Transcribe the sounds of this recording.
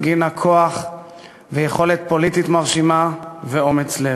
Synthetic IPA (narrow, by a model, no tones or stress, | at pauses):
ɡinakʰoaχ | vejeχo̞let̪̚po̞lit̪it̪maʁʃimaveo̞met͡sle